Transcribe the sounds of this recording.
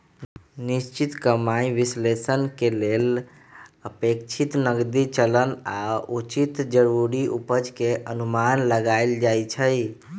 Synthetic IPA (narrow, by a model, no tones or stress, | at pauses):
nist͡ʃit̪kəmaiʋislesənkelel | əpekt͡ʃʰit̪nəɡd̪it͡ʃələna̰ut͡ʃit̪d͡ʒəɾuɾiupəd͡ʒkeʔənumanləɡaɪld͡ʒajt͡ʃʰəj